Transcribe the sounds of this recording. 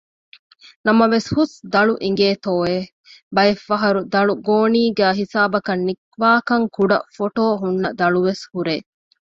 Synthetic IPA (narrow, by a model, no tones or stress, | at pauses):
nɐmɐʋeshusd̪ɐɭuʔiŋɡeːt̪oːe | bɐjefːɐɦɐɾud̪ɐɭuɡoːniːɡæːɦisaːbɐkɐnːikʋaːkɐŋkuɖɐ̰foʈoːɦunːɐd̪ɐɭuʋeshuɾeː